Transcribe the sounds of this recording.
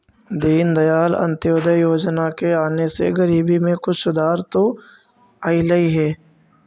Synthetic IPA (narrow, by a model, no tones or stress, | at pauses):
d̪iːnd̪ɐjaːlə̰̃nt̪joːd̪əjjoːd͡ʒnakeaːnesḛɡəɾiːbimẽkʊt͡ʃʰsʊd̪aːɾt̪o | aːiləiɦɛː